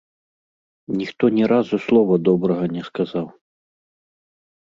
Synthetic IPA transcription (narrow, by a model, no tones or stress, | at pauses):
nʲixt̪ɔnʲɛɾazuslˠɔvɐd̪ɔbɾɐɣɐnʲɛskazaw